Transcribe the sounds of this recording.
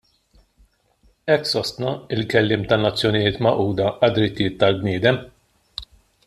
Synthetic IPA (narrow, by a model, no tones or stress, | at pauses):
ɛkːsɔst̪nɐɪlkɛlːɪːmt̪ɐnːɐt͡sːjɔnɪjɪːt̪mɐʔuːd̪ɐɐd̪ːɾɪt̪ːɪjɪːt̪ːɐlbnɪːd̪ɛm